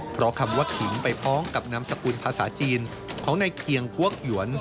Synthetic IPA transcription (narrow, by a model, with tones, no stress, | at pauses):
pʰɾɔ˦˥kʰa˧mwaː˥˩kʰi˩˦npa˧jpʰɔː˦˥ŋka˨˩p̚na˦˧˥msa˧kuː˧npʰaː˧sa̰ː˩˦t͡ɕiː˧n | kʰɔː˩˦ŋna˧jkʰi˧əŋku˥˩ək̚ju˩˦ən